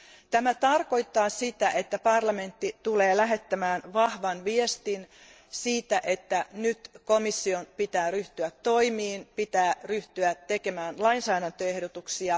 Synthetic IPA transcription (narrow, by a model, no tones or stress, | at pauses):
t̪æmæt̪ɑrko̞jt̪ːɑːsit̪æʔe̞t̪ːæpɑrlɑme̞nt̪ːit̪uleːlæɦe̞t̪ːæmæːnʋɑhʋɑnʋiest̪in | siːt̪æʔe̞t̪ːænyt̪komisːionpit̪æːryht̪yæt̪tːo̞imiːnpit̪æːryht̪yæt̪ːekemæːnlɑinsæːdɑnt̪øe̞hdot̪uksiɑ